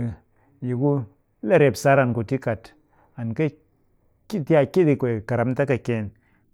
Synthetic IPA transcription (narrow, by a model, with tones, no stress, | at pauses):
ji˨ku˦ | le˦˨ɾe˨psa˦ɾa˨nku˨ti˦ka˨t | a˨nke˦ | ki˦ti˦a˧ki˦di˧kʷe˨ka˨ɾa˨mta˦ka˨ke˧˨n